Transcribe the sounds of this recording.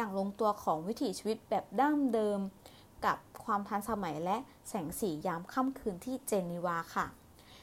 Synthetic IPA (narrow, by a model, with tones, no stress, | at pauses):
jaː˨˩ŋlo˧ŋt̪u˧ɐkʰɔː˩˦ŋwi˦˥t̪ʰiː˨˩˦t͡ɕʰiː˧wi˦˥t̪̚bɛː˨˩p̚daː˥˩mdɤː˧m | ka˨˩p̚kʰwaː˧mt̪ʰa˧nsa˧ma˩˦jlɛ˦˥ʔ | sɛː˩˦ŋsiː˩˦jaː˦˥mkʰa˥˩mkʰɯː˧nt̪ʰiː˥˩t͡ɕeː˧ni˧waː˧kʰa˥˩